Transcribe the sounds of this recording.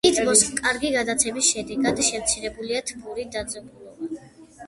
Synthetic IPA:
id̪ʁɔskʼaɾɡiɡad̪at̪sʰɛbisʃɛd̪ɛɡad̪ʃɛmt̪sʰiɾɛbuliat̪ʰbuɾid̪ad̪zʼɛbulˠɔba

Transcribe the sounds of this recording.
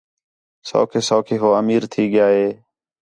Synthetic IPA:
so̰ːkʰeːsoːkʰeːɦoːəmiːɾt̪ʰiːɠɪjaːɦeː

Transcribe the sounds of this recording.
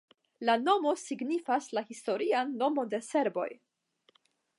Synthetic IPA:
lano̞mo̞siɡnifaslahisto̞ɾianːo̞mo̞de̞se̞ɾbo̞̰j

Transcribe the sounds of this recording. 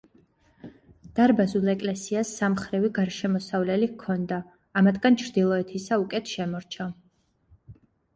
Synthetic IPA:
d̪̥aɾbazulˠɛkʼlɛsiasːamχɾiviɡaɾʃɛmɔsavlɛlikʰɔnd̪aː | mat̪ʰɡant͡ʃʰɾd̪ilˠɔɛt̪ʰisaukʼɛt̪ʰʃɛmɔɾt͡ʃʰa

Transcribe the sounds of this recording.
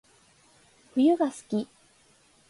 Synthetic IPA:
ɸɯ̟jɯ̟ɡasɨ̥kʲi

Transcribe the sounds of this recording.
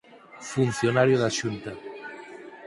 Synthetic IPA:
funθjonaɾjoðaʃunt̪a

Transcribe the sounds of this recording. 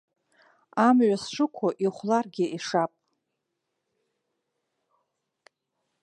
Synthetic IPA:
amɥʷasʂɨkʷʰaʔiχʷlarɡʲɪʔiʂapʼ

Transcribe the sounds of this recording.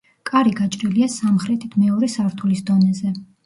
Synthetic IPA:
kʼaɾiɡat͡ʃʼɾiliasamχɾɛt̪ʰit̪ʰmɛɔɾɛsaɾt̪ʰulisd̪ɔnɛzɛ

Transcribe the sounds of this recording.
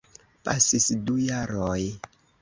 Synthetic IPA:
pasisdujaɾoj

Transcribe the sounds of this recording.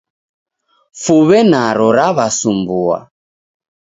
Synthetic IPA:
fuβɛnaɾɔɾaβasumbua̰

